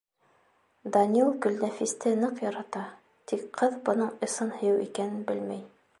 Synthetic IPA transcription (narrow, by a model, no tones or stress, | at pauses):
d̪ɑnʲilˠkɵ̆lnæfist̪ɘnɤqjɑɾɑt̪ɑ | t̪ikqɤðbŏnɤɴɤ̆sɤnhɵ̆jɘwḭkænɘnbɘlmæj